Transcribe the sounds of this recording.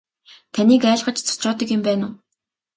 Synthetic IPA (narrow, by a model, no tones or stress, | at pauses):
t̪ʰaniːkæːɮɢə̆t͡ɕt͡sʰʊ̥t͡ɕʊːt̪ə̆kjʊmpæːnʊː